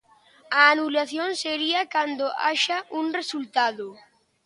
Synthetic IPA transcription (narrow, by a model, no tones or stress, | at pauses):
aːnulaθjoŋseɾiɐkand̪oa̰ʃaʔuŋresult̪aðʊ